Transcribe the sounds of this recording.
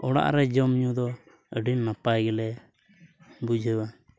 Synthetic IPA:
ʔɔɽa̰ʔɾɛd͡ʒɔmɲud̪ɔ | əɖinːapajɡɛlɛ | bud͡ʒʱəwa

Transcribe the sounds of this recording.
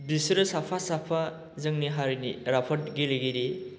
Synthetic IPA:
bisɾɯsapʰasapʰa | zɯŋniɦaɾiniɾapʰɐt̚ɡileɡiɾi

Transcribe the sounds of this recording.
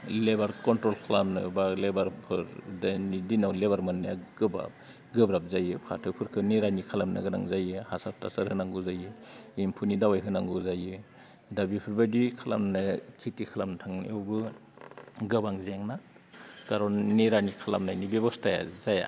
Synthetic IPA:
lebaɾkɔntɾɔlkʰalamnɯ̰balebaɾpʰɯɾdanidinawleβaɾmɯnːja̰ɡ̥ɯbɾa̰p̚ | ɡɯbɾap̚zajɯpʰa̰tʰɯpʰɯɾkʰɯneɾanikʰalamnɯ̰ɡɯna̰ŋzajɯhasap̚ta̰saɾhɯnaŋɡuzajɯimpʰunidawajɦɯnaŋɡɯzajɯ | dabipʰɯɾbadikʰala̰mnɯkʰitikʰalamntʰaŋnḭɔwbɯ | ɡɯbaŋzeŋna | kaɾɔnniɾanikʰala̰mnajnibebɔstaja̰zaja̰

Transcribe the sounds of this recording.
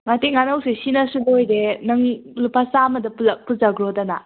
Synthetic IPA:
ŋateŋːanɐwsesinɐsubojdenɐŋlupasamɐdɐppɯzaɡɾodana

